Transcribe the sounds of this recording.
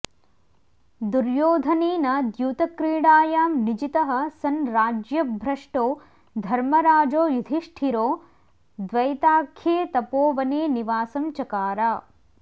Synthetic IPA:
d̪uɾjoːd̪ʱɐniːnɐd̪juːt̪ɐkɾiːɽaːjaːmnid͡ʒit̪ɐɦɐ̆sɐnɾaːd͡ʒjɐbʱɾɐʂʈoː | d̪ʱɐɾmɐɾaːd͡ʒoːjud̪ʱiʂʈʰiɾoː | d̪ʋɐjt̪aːkʰjeːt̪ɐpoːʋɐneːniʋaːsɐmt͡ʃɐkaːɾaː

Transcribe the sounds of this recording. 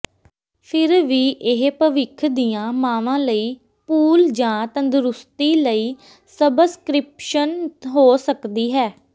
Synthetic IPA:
pʰɪɾʋiːʔɪɦpəʋɪkʰd̪ijãːmãːʋãːləiː | puːld͡ʒãːt̪ə̃nd̪ʊɾʊst̪iːləiː | səbskɾɪpʃənɦoːsəkd̪iːɦɛː

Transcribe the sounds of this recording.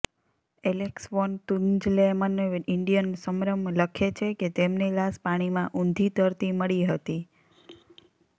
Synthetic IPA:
eleksʋont̪und͡ʒlemənɪɳɖijənsəmɾəmləkʰet͡ʃʰeket̪emnelaspaɽ̃imãʔũnd̪ʱit̪əɾt̪iməɭiɦət̪i

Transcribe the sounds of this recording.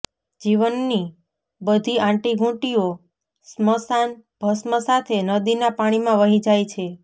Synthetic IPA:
d͡ʒiʋənːi | bəd̪ʱiãʈiɡʱũʈio | sməsanb̥ʱəsməsat̪ʰenəd̪inapaɽ̃imãʋəɦid͡ʒajt͡ʃʰe

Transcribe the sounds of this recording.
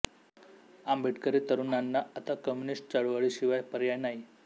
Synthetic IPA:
ambʱiʈkəɾit̪əɾunanːaət̪akɔmjunisʈ̚t͡saɭʋaɭiɕiʋajpəɾjajnaɦi

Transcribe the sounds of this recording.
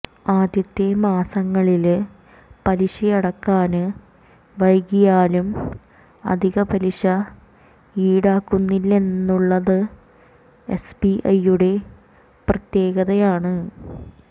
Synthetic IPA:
aːd̪jɐt̪ːemaːsɐŋːɐɭil | pɐliʂɐjɐɽɐkːaːnɨ | ʋɐjɡijaːlum | ɐ̰d̪ʱiɣɐbɐliʂɐ | iːɽaːkːunːilːe̞nːuɭːɐðɨ | espiʔɐjːuɽe̞ | prɐt̪ːje̞ːɣɐðɐjaːɳɨ

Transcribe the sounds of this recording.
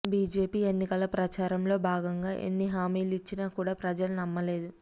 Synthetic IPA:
biːd͡ʒe̞ːpiːe̞nːikɐlɐpɾɐt͡ʃaːɾɐmlo̞ːbʱaːɡɐŋɡaːʔe̞̰nːiɦaːmiːlit͡ʃːinaːkuːɽaːpɾɐd͡ʒɐlunɐmːɐle̞ːd̪u

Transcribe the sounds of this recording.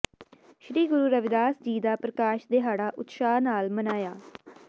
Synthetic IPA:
ʃɾiːɡʊɾuːɾəʋɪd̪aːsd͡ʒiːd̪aːpɾəkaːʃd̪eːɦaːɽaːʔʊt̪ʃaːnaːlmənaːjaː

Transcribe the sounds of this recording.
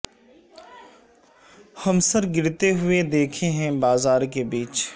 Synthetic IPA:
hɐmsəɾɡɪɾt̪eɦʊed̪eːkʰeɦɛ̃baːzaːɾkebiːt͡ʃ

